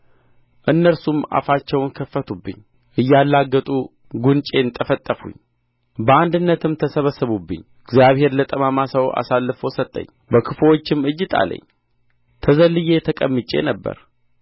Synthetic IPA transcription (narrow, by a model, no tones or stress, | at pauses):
ʔɨnːəɾsuma̰fat͡ʃːɛwnkʰəfːət̪ʰubːɨ̰ɲː | ʔɨjːalːaɡːət̪ʼu | ɡunt͡ʃʼe̞nt̪ʼəfət̪ʼːəfṵɲː | bəand̪ɨnːət̪ʰɨmt̪ʰəsəβəsːɨβubːɨ̰ɲː | ɨɡzijaβhe̞ɾlət̪ʼəmamasəwa̰salːɨfosət̪ʼːə̰ɲː | bəkʰɨfwot͡ʃːɪmɨd͡ʒːɪt̪ʰʼa̰lə̰ɲː | t̪ʰəzəlːɨje̞t̪ʰəkʼəmːɨt͡ʃʼe̞̰nəbːə̰ɾ